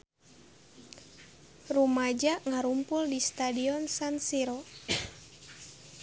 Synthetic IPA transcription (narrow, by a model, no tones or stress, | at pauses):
rumad͡ʒaʔŋaɾumpʊldist̪adiɔnsansiɾɔ